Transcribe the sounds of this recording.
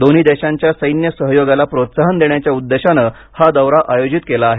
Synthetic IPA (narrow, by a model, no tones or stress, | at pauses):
d̪oniːd̪eɕãɲt͡ɕjasəjnjəsəɦjoɡalapɾot̪saɦənd̪eɳ̃jat͡ɕjaud̪ːeɕanə | had̪əʋɾaʔajod͡ʑit̪kelaːɦe